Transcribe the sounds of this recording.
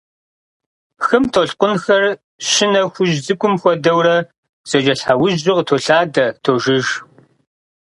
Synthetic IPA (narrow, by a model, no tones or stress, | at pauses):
xɨmtʰoɬqʷʊnxɐr | ɕɪnɐxʷʊʒzɨkʷʼʊmxʷɔdɐwrɐ | z̥ɐd͡ʒɐɬħawʊʑɪqtʰoːɬaːdɐtʰoʒɪʒ